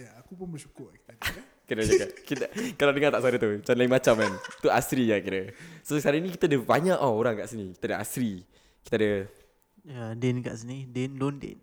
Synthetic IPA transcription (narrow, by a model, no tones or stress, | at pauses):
jaakupʊnbəʃu̥kʊrki | kənad͡ʒakakit̪əkaladəŋat̪aʔsadət̪ut͡ʃanlaiŋmat͡ʃamːant̪uasɾijakiɾasoskaɾainikit̪adəbaɲaʔɔoɾaŋkaʔsinĩki̥t̪adəa̰sɾi | ki̥t̪adə | ədɛnka̰ʔsinidɛnlondḛn